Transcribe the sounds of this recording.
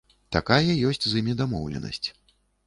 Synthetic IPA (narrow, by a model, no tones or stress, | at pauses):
t̪akajɐjɔsʲt͡sʲzɨmʲid̪amɔwlʲɛ̰nɐ̰sʲt͡sʲ